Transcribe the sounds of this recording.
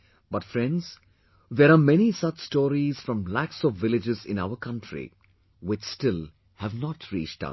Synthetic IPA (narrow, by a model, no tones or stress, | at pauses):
b̥ʌʈfɾɛ̃nɖdz̥ | ðɛɾaːmɛnisʌt͡ʃstɔːɾiz̥fɾɔ̃mlæksɔvːɪlɪd͡ʒɪzɪ̰̃na̰ʊəɾkʰʌ̃nʈʰɾḭ | wɪt͡ʃstɪl | hævnɔʈʰɾḭːt͡ʃʈʌ̰s